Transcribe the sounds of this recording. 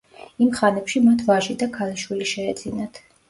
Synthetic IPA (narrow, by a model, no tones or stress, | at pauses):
imχanɛpʃimat̪ʰvaʒid̪akʰaliʃwiliʃɛːd̪zinat̪ʰ